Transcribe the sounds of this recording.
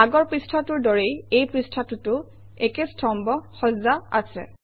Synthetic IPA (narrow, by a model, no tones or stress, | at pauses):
aɡɔɹpɹistʰatʊɹdɔɹejejpɹistʰatʊtʊ | ɛkestʰɔmbɔxɔzaa̰sɛ̰